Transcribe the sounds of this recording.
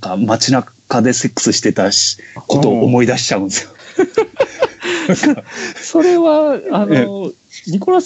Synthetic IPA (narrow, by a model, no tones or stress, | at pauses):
kamat͡ɕinakad̪e̞se̞kːɯ̥sɨɕi̥t̪e̞t̪ako̞t̪o̞ʔːmo̞id̪aɕi̥t͡ɕaɯ̃nesɨjo | so̞ɾe̞βaano | ɾʲikoɾas